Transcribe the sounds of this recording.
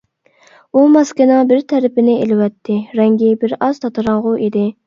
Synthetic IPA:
umɑskʲɪnɨŋbɪɾt̪ʰɛɾɪpɪnɪelɪwɛt̪ʰːɪɾɛŋɡʲɪbɪɾɑz̥t̪ʰɑt̪ʰɨɾɑɴʁʊʔid̪ɪ

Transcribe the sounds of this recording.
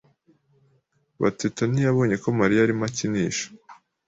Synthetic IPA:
βa̰tetonijaβoːɲe̞ko̞maɾijaɾimaciniːʃḁ

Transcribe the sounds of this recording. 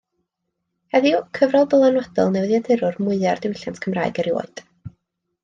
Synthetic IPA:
hɛðjɔkʰəvrɔlˠbəlˠanwɔd̥ɔlˠnɛwðjadɛɾʊrmʊɨard̥ɪwɪɬjantʰkʰəmra̰ːɨɡɛɾjo̰ɨd̥

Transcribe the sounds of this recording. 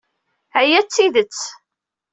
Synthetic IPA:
æjæt͡sːiðət͡sː

